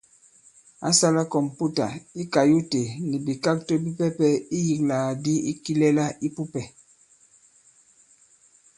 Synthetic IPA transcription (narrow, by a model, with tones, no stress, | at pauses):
a̰˦sa˦la˦kɔ˨m˨pu˦ta̰˨i˦ka˨ju˦te˨ni˨bi˨ka˦k̚to˦bi˦pɛ˦pɛ˦i˦ji˨k̚la˨di˦i˦ki˦lɛ˦la˦i˦pu˦pɛ˨